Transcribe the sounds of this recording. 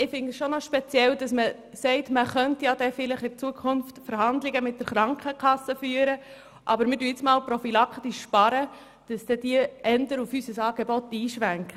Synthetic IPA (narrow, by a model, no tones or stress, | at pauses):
ɪfɪŋɡəsʃonɔʃpɛt͡sjɛld̥ɑsmə | sɛɪtməχœntjɑd̥ɛfɪlɪχɪɾt͡suəkʰʊnftfəɾɦɑnd̪lɪɡəmɪt̚d̥əɾχɾɑŋkχəkʰχɑsəfyːəɾə | ʔɑbəɾmɪɾdyəɪt͡smɑːlpɾɔfilɑkχt̪iʃːpɑɾə | d̥ɑsd̥ɛd̥iəʔɛndəɾufysəsɑːɡ̥ɛbɔtːiːʃʋæŋk